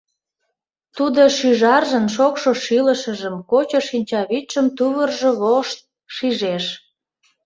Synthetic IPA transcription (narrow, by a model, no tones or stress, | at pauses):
t̪ud̪oʃyʒɑrʒənʃokʃoʃiləʃəʒəmkot͡ɕoʃinʲt͡ɕɑβit̪ʃəmt̪uβərʒoβoʃt̪̚ | ʃiʒeʃ